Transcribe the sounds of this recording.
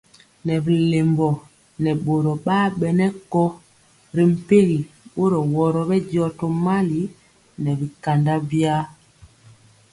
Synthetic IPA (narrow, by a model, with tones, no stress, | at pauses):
nɛ˨bi˨le˨mbɔ˨ | nɛ˨ɓo˨ɾɔ˨ɓaː˦ɓɛ˨nɛ˦kɔ˦ | ɾi˨m̩˨pe˦ɣi˨ɓo˦ɾɔ˨wɔ˨ɾɔ˨bɛ˦ɟɔ˦˨tɔ˨ma˦li˨˦ | nɛ˨bi˨ka˨nda˦bja˦